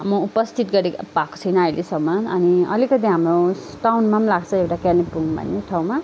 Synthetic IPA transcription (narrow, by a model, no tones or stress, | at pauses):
mʌupʌst̪ʰit̪ɡʌɾipako̥t͡sʰʌjnʌʌjlesʌmːʌʌniʌ̰likʌt̪iɦamrosʈawnmamlaɡt͡sʰʌewʈakanipuŋbʱʌ̰nːeʈʰaw̃ma